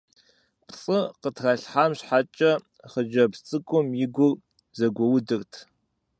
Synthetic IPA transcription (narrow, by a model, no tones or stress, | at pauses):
pt͡sʼɨqətʰrɐɬħaːmɕħat͡ʃʼɐ | χəd͡ʒɐpt͡sʼɨkʷʼʊmjɪɡʷʊr | zɐɡʷɔwʊdɨrtʰ